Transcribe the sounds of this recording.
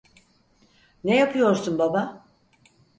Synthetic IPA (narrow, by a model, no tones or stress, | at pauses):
nejapʰɯjo̞ɾsunbaba